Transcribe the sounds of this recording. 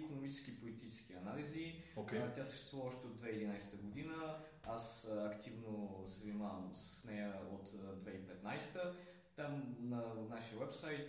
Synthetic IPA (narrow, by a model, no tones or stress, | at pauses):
konomit͡ʃɛskipolit̪it͡ʃɛ̥sk̟iɐnaliziot̪ʲjasə̥ʃt̪ɛ̥st̪vuvəvɔʃt̪ɛotd̪vɛid̪inajsɛ̥t̪əɡod̪inə | asɐkt̪ivnosəvnimavəmsə̥snɛjəot̪d̪vɛipɛt̪najst̪ə | t̪amnɐnaʃiəwɛpsajt̪